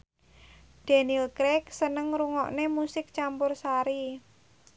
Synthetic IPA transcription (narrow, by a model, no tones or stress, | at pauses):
d̪̥ɛ̤nilkɾɛksənəŋɾuŋɔ̰ʔnemusɪk̚t͡ʃampʊrsaɾi